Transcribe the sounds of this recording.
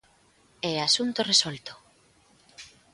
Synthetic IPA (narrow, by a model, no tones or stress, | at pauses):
easunt̪oresolt̪o̥